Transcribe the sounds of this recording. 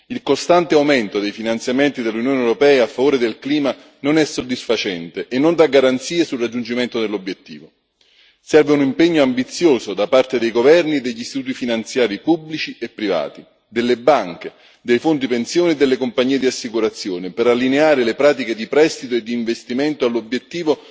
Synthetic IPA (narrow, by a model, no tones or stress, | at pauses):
ilkost̪ant̪eawmɛnt̪od̪ejfinant̪sjament̪id̪elːunjoːneɛwɾopɛːafːavoːɾed̪elkliːma | nonɛsːod̪ːisfat͡ʃɛnt̪eʔenːond̪aɡaɾant̪siːesulrad͡ʒːund͡ʒiment̪od̪elːobjet̪ːḭːvo | sɛrveunimpeɲːoambit̪sːjoːzod̪apart̪ed̪ejɡovɛrnied̪ːeʎːist̪it̪uːt̪ifinant̪sjaːɾipublit͡ʃiepːɾiva̰ːt̪i | d̪elːebaŋke | d̪ejfond̪ipensjoːnied̪ːelːekompaɲːiːed̪iasːikuɾat̪sjoːnepeɾalːineaːɾelepɾaːt̪̬iked̪ipɾɛst̪it̪oed̪ːiːɱvest̪iment̪oalːobjet̪ːiːvo